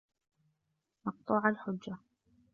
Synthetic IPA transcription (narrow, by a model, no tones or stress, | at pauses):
mɑq̚t̪ˤuːʕalħʊd͡ʒːa